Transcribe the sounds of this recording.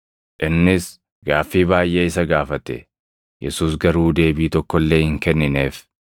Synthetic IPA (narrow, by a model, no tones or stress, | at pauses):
ʔɪnːɪs | ɡaːfːiːbaːjʔeːɪs̬ɐɡaːfɐt̪ɛ̰ | jʔɛ̰suːsɡɐɾuːd̪e̞ːbiːt̪ɔkːɔlːe̞ːhɪŋkɛnːɪne̞ːf